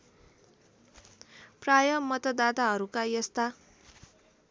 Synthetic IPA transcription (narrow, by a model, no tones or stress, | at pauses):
prajʌmːʌt̪ʌd̪at̪aɦʌɾukajʌst̪a